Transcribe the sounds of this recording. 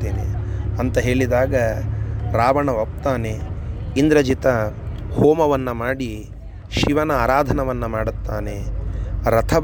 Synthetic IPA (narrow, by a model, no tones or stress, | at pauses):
eːnḛɐnt̪ɐɦe̞ːɭid̪aːɡɐ | ɾaːʋɐɳɐʋɐp̚t̪aːneind̪ɾɐd͡ʒit̪ɐhoːmɐʋɐnːɐmaːɽi | ʃiʋɐnɐaːɾaːd̪ʱɐnɐʋɐnːɐmaːɽut̪ːaːne | ɾɐt̪ʰɐb